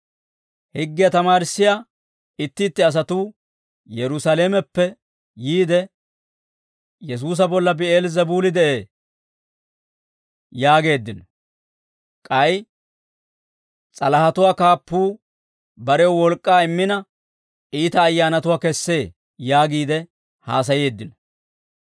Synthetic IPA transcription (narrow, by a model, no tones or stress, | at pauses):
hɪɡːɪjɐt̪ɐmaːɾɪsːɪja | ɪt̪ːɪːt̪ːɪɐs̬ɐt̪uː | jɛɾʊsaleːmɛpːɛ | jiːd̪ɛ | jɛs̬uːs̬ɐbɔlːɐbɪeːlzɛbuːlɪd̪ɛʔeː | jaːɡe̞ːd̪ːɪnɔ | kʼɐj | t͡sʼɐlɐhɐt̪ʊwaːkaːpːuː | bɐɾɛɔwɔlkʼːaːɪmːɪnɐ | ʔiːt̪ɐːjːaːnɐt̪ʊwaːkɛsːe̞ː | jaːɡiːd̪ɛ | haːs̬ɐje̞ːd̪ːɪnɔ